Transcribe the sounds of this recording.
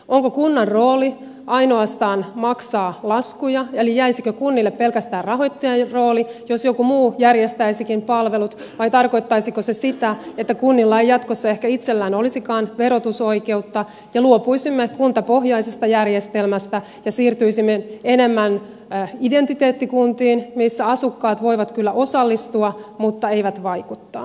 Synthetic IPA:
ʔoŋkokunːɑrroːli | ʔɑino̞ɑst̪ɑːnmɑksɑːlɑskujɑelijæisikøkunːilːeppelkæst̪æːrrɑɦojt̪ːiɑro̞ːlijosjokumuːjærjest̪æisikimpɑlʋe̞lut̪ | ʋɑjt̪ɑrkoit̪ːɑisikosesit̪æet̪ːækunːilːɑejɑt̪kosːɑehkæit̪selːæːnolisikɑːnʋeɾot̪usoike̞ut̪ːɑ | jɑluopuisimːekunt̪ɑpo̞ɦjɑisest̪ɑjærjest̪elmæst̪æ | jɑsiːrt̪yisimːeenemːæn | ident̪it̪eːt̪ːikunt̪iːnmisːæɑsukːɑːt̪ʋo̞iʋɑt̪kylːæʔo̞sɑlːist̪uɑmut̪ːɑe̞ijʋæt̪ʋɑikut̪ːɑː

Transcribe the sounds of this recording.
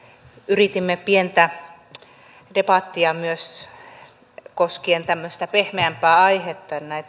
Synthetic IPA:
yrit̪imːepient̪æ | depɑt̪ːiɑmyøs | koskient̪æmːøst̪æpehmeæmpæːɑihet̪ːɑnnæit̪

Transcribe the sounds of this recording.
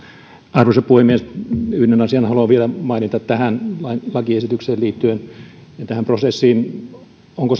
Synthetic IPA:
ɑrʋoisɑppuhemːiesyhnenɑsiɑnhɑluɑʋʋielæmɑinit̪ɑt̪t̪æhænlɑilɑkiesit̪ykseːliːt̪ːyenjɑt̪æhæmprosesːiːn | oŋkos

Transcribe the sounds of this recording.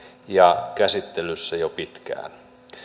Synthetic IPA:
jɑkæsit̪ːelysːæjopit̪kæ̰ːn

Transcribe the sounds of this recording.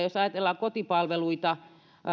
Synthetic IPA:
josɑjɑt̪elːɑkot̪ipɑlʋeluit̪ɑ

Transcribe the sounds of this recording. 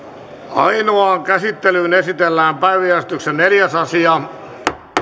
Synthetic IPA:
ɑ̰inoɑːŋkæsit̪ːelyːnesit̪elːæːmpæiʋijæst̪yksenneljæsɑsiɑ

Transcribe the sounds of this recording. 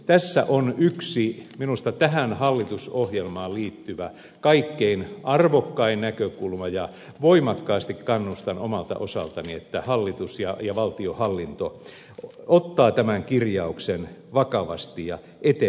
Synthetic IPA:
t̪æsːæ̰ʔonyksiminust̪ɑt̪æɦænhɑlːit̪usohjelmɑːlliːt̪ːyʋæ | kɑikːeinʔɑrʋokːɑinnækøkulmɑjɑ | ʋoimɑkːɑːst̪ikkɑnːust̪ɑnomɑlt̪ɑ̰ʔosɑ̰lt̪ɑniet̪ːæhɑlːit̪usjɑjɑʋɑlt̪iohɑlːint̪o | ot̪ːɑːt̪æmæŋkirjɑuksenʋɑkɑʋɑ̰st̪ijɑ | ʔet̪e

